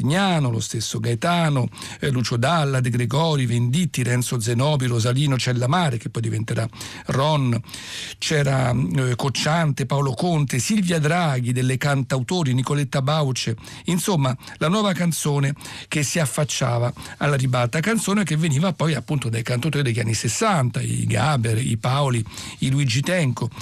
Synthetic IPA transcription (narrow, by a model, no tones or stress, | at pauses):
ɲːaːnolo̰st̪esːoɡajt̪aːnolut͡ʃod̪alːad̪eɡɾeɡɔːɾivend̪it̪ːiɾɛnt̪sod̪zenɔːbiɾozaliːnot͡ʃɛlːamaːɾekepːɔjd̪ivent̪eɾa | rɔnː | t͡ʃɛːɾakot͡ʃːant̪epaolokont̪esilvjad̪ɾaɡid̪elːekant̪awt̪oːɾinikolet̪ːabawt͡ʃe | insomːalanwɔːvakant̪soːnek̟esːiafːat͡ʃːa̰ːvaalːaɾibalt̪akant̪soːnekevːeniːvapːɔjapːunt̪od̪ajkant̪awt̪oːɾid̪eʎːanːisesːant̪aḭɡabeɾḭpaoliiluid͡ʒit̪ɛŋko